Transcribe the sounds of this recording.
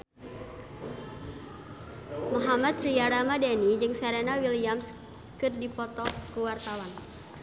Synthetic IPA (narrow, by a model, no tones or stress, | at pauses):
mɔɦamat̪̚riaɾamadanid͡ʒɨŋsɛɾɛnawiliams | kɨrdipɔt̪ɔkuwart̪awan